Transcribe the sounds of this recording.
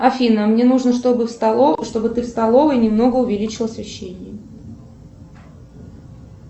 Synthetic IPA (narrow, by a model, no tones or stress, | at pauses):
ɐfʲinəmnʲe̞nuʐnəʂbɨʂt̪o̞bɨt̪ɨfst̪ɐlˠo̞vəinʲɪmno̞ɡəʊvʲɪlʲit͡ɕɪlˠəsvʲɪɕːenʲɪjə